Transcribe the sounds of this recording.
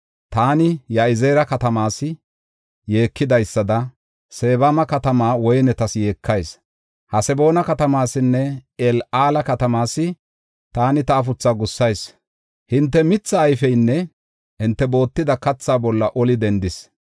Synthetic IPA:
t̪aːnɪjaɪzeːɾɐkɐt̪ɐmaːsɪ | je̞ːkːɪd̪ɐjsːɐd̪ɐ | se̞ːbamɐkɐt̪ɐmaːwɔjnɛt̪ɐsje̞ːkʰːɐjs | hɐsɛbo̞ːnɐkɐt̪ɐmaːsɪnːɛɛlaːlɐkɐt̪ɐmaːsːɪ | t̪aːnɪt̪ɐːfʊt͡sːaɡʊsːɐjs | hɪnt̪ːɛmɪt͡sːɐːjfɛjnːɛ | hɪnt̪ːɛbo̞ːt̪ːɪd̪ɐkɐt͡sːaːbɔlːɐʔɔlɪd̪ɛnd̪ɪs

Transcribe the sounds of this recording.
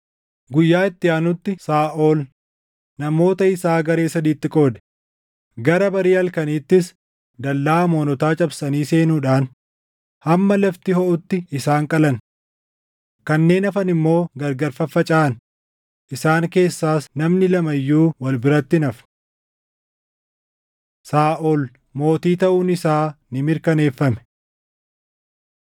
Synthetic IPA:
ɡʊjːaːɪt̪ːɪjaːnʊt̪ːɪsaːʔoːl | nɐmo̞ːt̪ɐɪsaːɡɐɾe̞ːsɐd̪iːt̪ːɪkʼo̞ːd̪ɛ̥ | ɡɐɾɐbɐɾiːɐlkɐniːt̪ːɪs | d̪ɐlːaːmo̞ːnɔt̪aːt͡ʃʼɐbsɐniːse̞ːnuːᶑaːn | hɐmːɐlɐft̪ɪhɔʔʊt̪ːɪɪsaːŋkʼɐlɐn | kɐnːe̞ːnɐfɐnɪmːo̞ːɡɐɾɡɐɾfɐfɐt͡ʃʼaːɐn | ʔɪsaːŋke̞ːsːaːsnɐmnɪlɐmɐjːuːwɐlbɪɾɐt̪ːɪnɐfn | saːʔɔl | mo̞ːt̪iːt̪ɐʔuːnɪsaːnɪmɪɾkɐne̞ːfːɐmɛ̥

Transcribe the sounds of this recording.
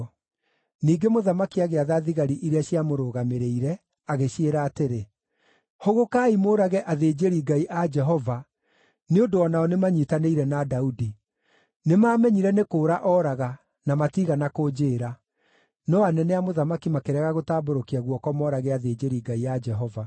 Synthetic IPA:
niːɡemoðamakiaɣeaðaðiɣaɾiʔiɾeaɕijamoɾoːɣameɾeiɾɛ | aɣeɕeɾaːteɾe | hoɣokaːimoːɾaɣɛʔaðeːd͡ʒeɾiɡaiʔad͡ʒɛɦɔva | neondoɔnaɔnemaɲitaneiɾɛnadaudi | nemaːmɛɲiɾɛnekoːɾaʔɔːɾaɣa | namatiːɣanakod͡ʒeːɾa | nɔanɛnɛamoðamakimakeɾɛɣaɣotaːboɾokiaɣwɔkɔmɔɾaɣɛaðeːd͡ʑeɾiːɡaiad͡ʒɛɦɔva

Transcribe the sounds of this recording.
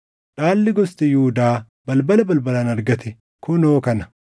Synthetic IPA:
ᶑaːlːɪɡɔst̪ɛjuːd̪aː | bɐlbɐlɐbɐlbɐlaːnɐɾɡɐt̪ɛ | kʰʊno̞ːkɐnɐ̥

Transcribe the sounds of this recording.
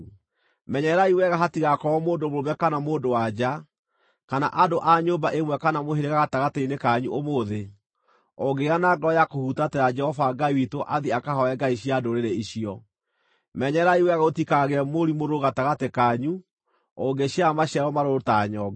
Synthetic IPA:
mɛɲɛɾaiwɛɣaɦatiɣakɔɔmoːndomoomɛkanamoːndowad͡ʒa | kana̰ʔadoʔaɲobaʔemwɛkanamoɦeɾeɣaɣataɣateinekaɲṵʔomoðe | ɔɡeɣanaːɡɔɔjakohutatɛɾad͡ʒɛhɔvaɡaiwitoʔaðiakahɔɛɡaiɕiadoɾeɾeiɕiɔ | mɛɲɛɾaiwɛɣaotikaɣɛmoɾimoɾoɣataɣatekaɲu | ɔɡeɕjamaɕiaɾɔmaɾotaɲɔ

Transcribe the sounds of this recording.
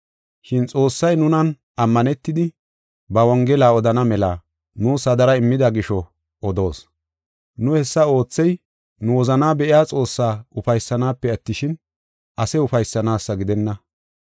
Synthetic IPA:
ʃɪnt͡sʼo̞ːsːɐjnʊnɐn | ɐmːɐnɛt̪ːɪd̪ɪ | bɐwɔŋɡɛlaːɔd̪ɐnɐmɛla̰ː | nuːsɐd̪ɐɾɐɪmːɪd̪ɐɡɪʃɔ | ɔd̪o̞ːs | nʊhɛsːɐo̞ːt͡sːɛj | nʊwɔzɐnaːbɛʔɪjaːt͡sʼo̞ːsːaːʊfɐjsːɐnaːpːɛɐt̪ːɪʃɪn | ʔɐsɛʊfɐjsːɐnaːsːɐɡɪd̪ɛnːɐ

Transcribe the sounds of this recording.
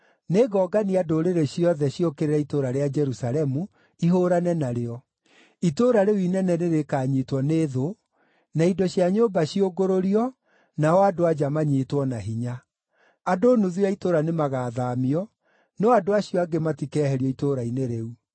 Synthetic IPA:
neɣɔːɡaniadoɾeɾeɕiɔðɛɕiokeɾeɾɛitoɾaɾead͡ʒɛɾusalɛmu | iɦoːɾanɛnaɾeɔ | itoɾaɾeuinɛnɛneɾekaːɲitwɔneːðo | naidɔɕjaɲoːbaɕioɡoɾoɾiɔ | nawadoad͡ʒamaɲetwɔnaɦiɲa | adonuðiaitoɾanemaɣaːðaːmiɔ | nɔadoaɕiɔaɡematikɛːɦɛɾiɔitoɾaineɾeu

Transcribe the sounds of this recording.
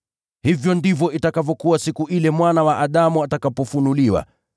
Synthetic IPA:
hivjɔndivɔʔitakavɔkuwasikuʔilɛmwanawaʔaɗamuatakapɔfunuliwa̰

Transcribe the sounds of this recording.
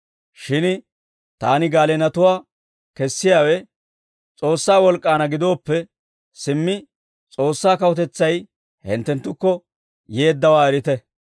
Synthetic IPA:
ʃɪn | t̪aːnɪɡaːlɛnɐt̪ʊwaː | kɛsːɪjaːwɛ | t͡sʼo̞ːsːaːwɔlkʼːaːnɐɡɪd̪o̞ːpːɛ | sɪmːɪ | t͡sʼo̞ːsːaːkɐwɔt̪ɛt͡sːɐj | hɪ̰nt̪ːɛnt̪ːʊkːɔ | jeːd̪ːɐwaːɛɾɪt̪ɛ

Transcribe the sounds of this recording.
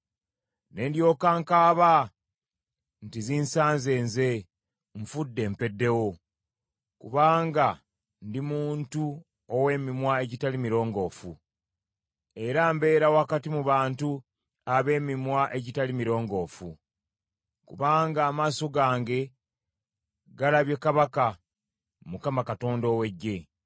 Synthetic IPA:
ne̞ːndjo̞ːkaŋkaːβa | ntiziːnsaːnze̞ːnze̞ | ɱfudːe̞ːmpe̞dːe̞wo̞ | kuβaːŋɡa | ndimuːntu | owe̞ːmimwae̞ɟitalimiɾo̞ːŋɡo̞ːfṵ | e̞ɾambe̞ːɾawakatimuβaːntu | aβe̞ːmimwaʔe̞ɟitalimiɾo̞ːŋɡo̞ːfu | kṵβaːŋɡaːmaːso̞ɡaːŋɡe̞ | ɡalaβje̞kaβaka | mukamakato̞ːndo̞ːwe̞ɟːe̞

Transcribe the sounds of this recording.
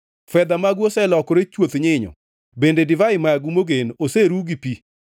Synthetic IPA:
fɛd̪amaɡwosɛlɔkɔɾet͡ʃwot̪ɲɪɲɔ̰ | bendedɪvaɪmaaɡumoɡenoseɾuɡipi

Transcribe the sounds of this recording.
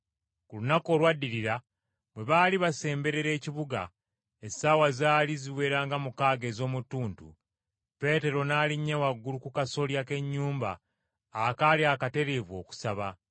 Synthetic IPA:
kulunako̞ːlwadːiɾiɾa | βwe̞βaːliβase̞ːmbe̞ɾe̞ɾe̞ːciβuɡa̰ | esawazaːliziwe̞ːɾaːŋɡamukaːɡe̞zo̞ːmutːuːntṵ | pe̞ːte̞ɾo̞naːliɲːawaɡːulukukaso̞ljake̞ɲːuːmba̰ː | kaliakate̞ɾe̞vwo̞̰ːku̥saβa

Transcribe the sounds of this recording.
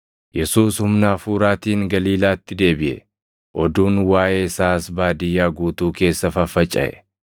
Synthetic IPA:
jɛsuːshʊmnaːfuːɾaːt̪iːŋɡɐliːlaːt̪ːɪd̪e̞ːbɪʔɛ̰ | ʔɔd̪uːnwaːʔe̞ːɪsaːsbaːd̪ɪjːaːɡuːt̪uːke̞ːsːɐfɐfɐt͡ʃʼːɐ̰ʔɛ̰

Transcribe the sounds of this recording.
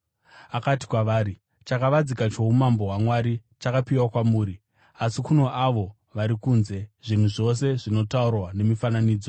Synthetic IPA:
akati̥kwaʋaːɾi | t͡ʃakaʋad͡zikat͡ʃo̞umambo̞ɦwamwaɾit͡ʃakapiwakwamuːɾi | asikuno̞ʔaʋo̞ | ʋaɾikuːnze̞ʐ̥in̤uʐo̞se̞ʐino̞taurwane̞mifananiːd͡zo

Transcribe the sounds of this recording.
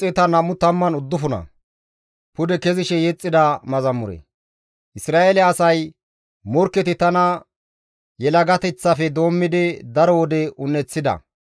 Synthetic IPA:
t͡sʼɛt̪ɐnɐmʊt̪ɐmːɐnʊd̪ːʊfʊnɐ̰ | pʊd̪ɛkɛzɪʃɛjɛt͡sʼːɪd̪ɐmɐzɐmːʊɾɛ̰ | ʔɪsɾaːelɛɐsɐj | mɔɾkːɛt̪ɪt̪ɐnɐ | jɛlɐɡɐt̪ɛt͡sːɐfɛd̪o̞ːmːɪd̪ɪd̪ɐɾɔwɔd̪ɛʊnːɛt͡sːɪd̪ɐ̰

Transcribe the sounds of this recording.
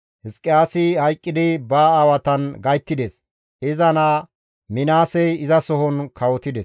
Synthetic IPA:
hɪskʼːɪjaːsɪhɐjkʼːɪd̪ɪbaːwɐt̪ɐnɡɐjt̪ːɪd̪ɛs | ɪzɐnaː | mɪnaːsɛjɪzɐsɔɦɔnkʰɐwɔt̪ɪd̪ɛs

